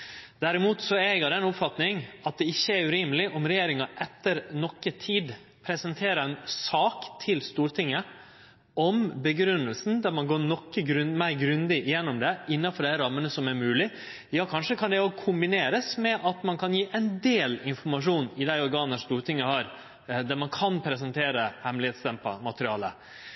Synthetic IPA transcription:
d̪̥æɾɪmuːt̪sɔɛɡəd̪ɛɛnʊpfɑt̪nɪŋɑt̪̚d̪ɛɪçːəæɾʉɾiːmlɪʔɔmɾɛjeːɾɪŋɑʔɛt̪ːəɾnɔkːət̪ʰiːd̪ | pʰɾɛsənt̪ʰeːɾəɾɛnsɑːkt̪ʰɪlst̪uːɾt̪ʰɪŋːə | ɔmbəɡɾʉnːəlsn̩d̪æɾmɑnɡoːnɔkːəɡɾʉnmæɪɾɡɾʉnd̪ɪʔɪjɛnːɔmd̪ɛɪnːɑfɔɾd̪æɪɾɑmːənəsɔmæɾmʉːlɪ | jɑːkʰɑnʂəkʰɑnd̪ɛɔkʰʊmbɪneːɾəsmɛʔɑt̪mɑnkʰɑnjiːʔɛɪnd̪eːlɪnfɔɾmɑʂ̬uːnɪd̪æɪɔɾɡɑːnəʂst̪uːɾʈ̪ʰɪŋːəhɑɾ | d̪æɾmɑnkʰɑnpʰɾɛs̬ənt̪ʰeːɾəhɛmlɪheːt̪st̪ɛmpɑ̰mɑt̪əɾɪɑːlə̰

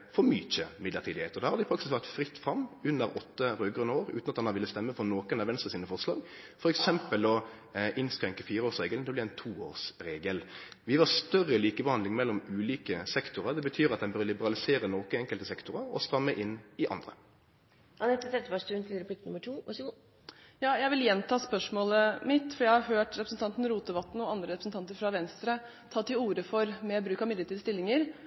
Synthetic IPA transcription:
fɔɾmyːc͡çəmɪd̪ləɾt̪ʰiːd̪ɪheːt̪ɔd̪æːhɑɾd̪ɪpʰɾɑkt̪ɪsʋæʁt̪fɾɪt̪ːfʁɑmːʉnːəɾɔt̪ːəɾøːɡʁʉnəoːɾʉ̰ːnɑt̪hɑnɑʋɪlːəst̪ɛmːəfɔnoːkənɑʋɛnst̪əsiːnəfɔʁslɑːɡ | fɔɾɛksɛmpəlɔ | ʔɪnskɾɛŋkəfiːɾəoːsʁeːɡəlnɛblɪɛnt̪ʰuːo̰ːʁsɾeːɡəlʋɪʋɑst̪œrːəliːkəbəhɑnd̪lɪŋmɛlːɔmʉːliːkəsɛkt̪ʊʁəʁd̪ɛbət̪ʰyːʁɑt̪̚d̪ɛnbøːlɪbəɾɑlɪseːɾənɔːkəɛŋkəlt̪əsɛkt̪ʊʁəɾɔ̰st̪ʁɑmːəʔɪnːɪʔɑ̰nd̪ɾə̰ | ɑnɛt̪ːɔd̪ɛt̪ːəʋɑʂt̪ʉːnt̪ʰɪlɾɛpʰliknʉməʈʰuː | jɑːjæɪʋɪljɛnt̪ʰɑːspœʂmoːləmɪt̪fɔɾjæɪhɑɾɦøːʈɾɛpɾsn̩t̪ɑnt̪n̩ɾuːt̪əʋɑt̪ːnɔɑnd̪ɾəɾɛpɾsn̩t̪ʰɑnt̪əɾfɾɑʋɛnst̪ɾə | t̪ʰɑːt̪ɪuːɾəfɔɾmɛbɾʉːkɑmɪd̪ət̪ɪd̪əst̪ɪlːɪŋəɾ

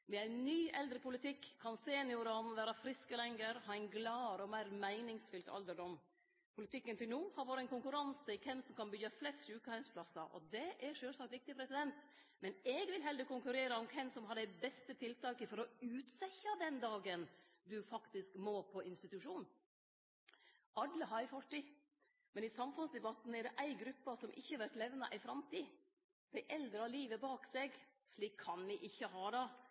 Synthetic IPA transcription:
mɛæɪnnyːʔɛld̪ɾəpʊlɪt̪ʰɪkːkʰːɑnseːnɪʊɾɑmʋæːɾɑfɾɪskəlɛŋɡəɾhɑːɛɪnɡlɑːɾɔmæɪɾmæɪnɪŋsfʏlt̪ʰɑ̰ld̪əɖɔm | pʰʊlɪt̪ʰɪkːənt̪ɪlnuːhɑɾʋɔːɾæɪnkʊŋkʉɾɑnsəɪkʰɛmsɔmkʰɑnbʏːɑflɛst̪ʃʉːkəhæɪnspʰlɑsɑʔɔ̰d̪ɛʔæɾʂøːlsɑkt̪ʋɪk̚t̪ɪpʰɾɛsɪd̪ɛnt̪ | mɛnɛɡʋɪlɦɛld̪əkʊŋkʉɾeːɾəɔmkʰɛmsɔmɦɑɖɛbɛst̪ət̪ʰɪlt̪ɑːkəfɔɾɔʉːt̪sɛçɑd̪ɛnd̪ɑːɡən | d̪ʉfɑkt̪ɪskmoːpʰɔʔɪnst̪ɪt̪ʉʂuːnn̩ | ɑd̪ːəɦɑɪfɔʈːɪ | mɛnɪsɑmfʉnsd̪ɛbɑt̪n̩ɛɖ̪ɛʔæɪɡɾʉpːɑsɔmʔɪ̰çːəhɑʋæɾʈ̪lɛʋnɑʔæɪfɾɑmt̪iː | d̪̥æɪʔɛld̪ɾəɑliːʋəbɑːksɛɡʂɭiːkʰːɑnʋɪʔɪçːəɦɑːd̪ɑ

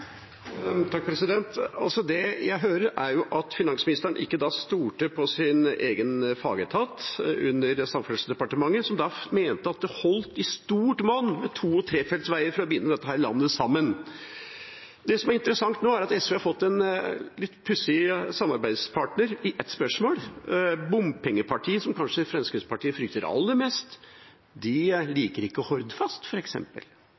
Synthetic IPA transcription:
t̪ʰɑk̚pʰɾɛsɪd̪ɛnt̪ɑlsɔd̪ɛjæɪɦøːɾəɾʔæɾjʊʔɑt̪fɪnɑŋsmɪnɪst̪əɳʔɪkːəd̪ɑst̪uːʈəpʰɔsɪneːɡənfɑ̰ːɡət̪ʰɑt̪ʉnːəɾsɑmfœlsd̪ɛpɑʈəmɑŋːəsɔmd̪ɑmeːnt̪əɑt̪̚d̪ɛhɔlt̪ɪst̪uːʈmoːnːmɛt̪ʰuːɔt̪ʰɾeːfɛlt̪sʋæɪəɾfɔɾɔbəjɪnːəd̪ɛt̪ːəhæːɾɭɑ̰nːəsɑmːən | d̪ɛsɔmæɾɪnt̪əɾəsɑŋt̪noːæɾɑt̪ɛsʋeːhɑɾfɔt̪ːɛnlɪt̪ːpʰʉsɪsɑmɑɾbæɪd̪spʰɑːʈnəɾɪʔɛt̪spœʂmoːlbʊmpʰɛŋːəpʰɑʈʰiːəsɔmkɑnʂəfɾɛnskɾɪspʰɑʈʰiːəfɾʏk̚t̪əɾɑ̰lːəɾmɛːst̪ | d̪ɪliːkəɾɪkːəɔhɔɾd̪fɑst̪fɔɾɛksɛ̰mpə̰l

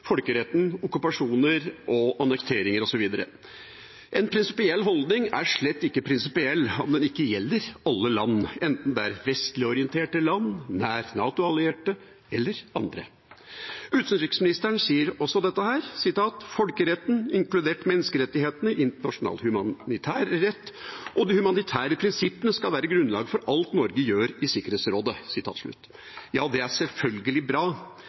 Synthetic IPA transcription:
fɔlkəɾɛt̪ːn̩ʊkʉpɑʂuːnəɾɔʔɑnəkt̪ʰeːɾɪŋəɾɔsɔʋiːd̪ɑɾə̰ | ʔɛnpʰɾɪnsɪpɪɛlːɦɔld̪nɪŋæ̰ɾʂɭɛt̪ːɪkːəpʰɾɪnsɪpɪɛlːɔmd̪ɛnɪkːəjɛlːəɾɑlːəlɑnːɛnt̪n̩d̪ɛæɾʋɛst̪lɪɔɾɪənt̪ʰeːʈəlɑnːæːɾnɑːt̪ʊɑlɪeːʈə | ɛlːəɾɑnd̪ɾə̰ | ʉːt̪sənɾɪkəsmɪnɪst̪əɳsiːəɾɔsːɔd̪ɛt̪ːəhæːɾsɪt̪ʰɑːt̪fɔlkəɾɛt̪ːnɪŋklʉd̪eːʈmɛnːəskəɾɛt̪ːɪheːt̪ənəʔɪnt̪əɳɑʂʊnɑ̰ːlhʉmɑnɪt̪ʰæːɾːɛt̪ːʔɔd̪ɪhʉmɑnɪt̪ʰæːɾəpʰɾɪnsɪpənəskɑlʋæːɾəɡɾʉnlɑ̰ːɡfɔɾʔɑlt̪nɔɾɡəjøːɾɪsɪkəɾheːt̪sɾoːd̪əsɪt̪ʰɑ̰ːt̪ʂɭʉ̰t̪ː | jɑːd̪ɛæʂɛlfœlɡəlɪbɾɑː

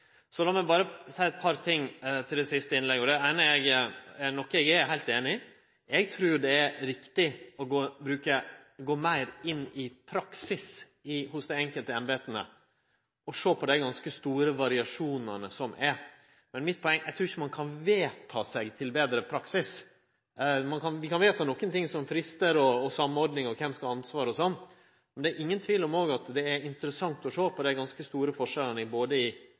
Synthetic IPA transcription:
sɔlɑmɛbɑːɾəsæɪɛt̪̚pʰɑɾt̪ʰɪŋːt̪ʰɪld̪ɛsɪst̪əɪnlɛɡəɔd̪ɛæɪnəɛɡɛnɔkːɛɡɛɾjæɦæɪlt̪eːnɪ | ɛɡt̪ʰɾuːɾjʊd̪ɛɛɾɾɪkt̪ɪɔɡoːbɾʉːkəɡoːmæɪɾɪnːɪpʰɾɑksɪs | ɪhʊsd̪ɛɛŋkəlt̪əɛnbeːt̪ənə̰ | ɔʂoːpʰɔd̪ɛɡɑnskəst̪uːɾəʋɑɾɪɑʂuːnənəsɔmʔɛɾ | mɛnmɪt̪̚pʰɔɛŋːæ̰ɪt̪ʰɾuːɾɪçːəmɑnkʰɑnʋeːt̪ʰɑːsɛɡt̪ʰɪlbeːd̪ɾəpʰɾɑksɪs | mɑnkɑnʋɪkɑnʋeːt̪ʰɑːnɔkːənt̪ɪŋsɔmfɾɪst̪əɾɔːsɑmːɔɾd̪nɪŋɔkʰɛmskɑɑnsʋɑːɾɔsɔnː | mɛnd̪ɛːɾʔɪŋːənt̪ʰʋiːlɔmoːɡɑt̪d̪ɛæɾɪnt̪əɾəsɑŋt̪ɔʂoːpʰɔd̪æɪɡɑnskəst̪uːɾəfɔʂɛlːənəɪboːd̪əɪ

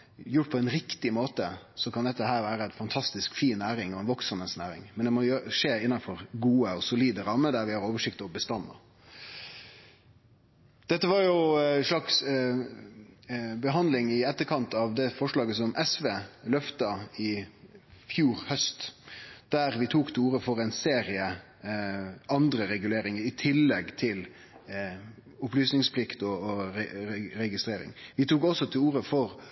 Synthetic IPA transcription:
jʊʈːpʰɔɛnɾɪkt̪ɪmoːt̪əsɔkʰɑnd̪ɛt̪ːəɦæːɾʋæːɾəænfɑnt̪ʰɑst̪ɪskfiːnːæːɾɪŋɔɛnʋɔksəməsnæːɾɪ̰ŋmɛnd̪ɛmɔʂeːɪnːɑnfɔɾɡuːəɔsʊliːd̪əɾɑməd̪æɾʋɪhɑɾoːʋəʂɪkt̪ɔbəst̪ɑnːɑ̰ | d̪̥ɛt̪ːəʋɑɾjʊʂɭɑks | bəɦɑnd̪lɪŋɪɛt̪ːəɾkʰɑnt̪ɑʋd̪ɛfɔʂɭɑːɡəsɔmʔɛsʋeːlœft̪ɑɪ | fjuːɾhœst̪d̪̥æɾʋɪt̪ʰuːkt̪ʰɪluːɾəfɔɾɛnseːɾɪə | ʔɑnd̪ɾəɾɛɡʉleːɾɪŋəɾɪt̪ʰɪlːɛɡt̪ʰɪl | ʊplyːsnɪŋspʰlɪkt̪ɔɛɾɛɡɪst̪ɾeːɾɪ̰ŋʋɪt̪uːkɔsːɔt̪ʰɪluːɾəfɔɾ

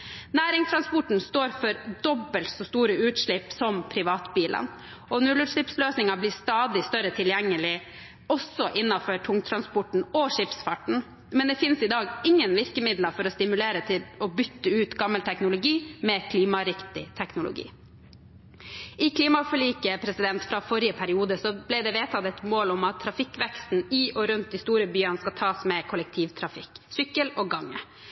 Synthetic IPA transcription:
næːɾɪŋst̪ʰɾɑnspɔʈn̩st̪oːɾfɔɾd̪ɔbəlt̪sɔst̪uːɾəʉːt̪ʂɭɪpːsɔmpʰɾɪʋɑːt̪biːlʔə̰n | ɔnʉlʉt̪ʂɭɪpsløːsnɪŋɑblɪːst̪ɑːd̪ɪst̪œɾət̪ʰɪljɛŋːəlɪ | ɔsɔʔɪnːɑfɔʈʰʊŋt̪ʰɾɑnspɔʈɳ̩ɔʂɪpsfɑʈɳ̩ | mɛnd̪ɛfɪnsɪd̪ɑːɡɪŋːənʋɪɾkəmɪd̪lɑfɔɾɔst̪ɪmʉleːɾət̪ʰɪlɔbʏt̪ːəʉːt̪ɡɑmːəlt̪ʰɛknʊlʊɡiːmɛkʰliːmɑɾɪkt̪ɪt̪ʰɛknʊlʊ̰ɡḭː | ʔɪkʰliːmɑfɔɭiːkəpʰɾɛsɪd̪ɛnt̪fɾɑfɔɾɪəpʰæɾɪuːd̪əsɔblæɪd̪ɛʋeːt̪ʰɑt̪ɛt̪moːlɔmɑt̪ʰːɾɑfɪkːʋɛkst̪n̩ɪʔɔɾʉnt̪̚d̪ɪst̪uːɾəbyːɑnəskɑt̪ʰɑːsmɛkʰʊlɛk̚t̪ʰiːʋt̪ʰɾɑfɪkːsʏkːəlɔːɡɑŋːə̰

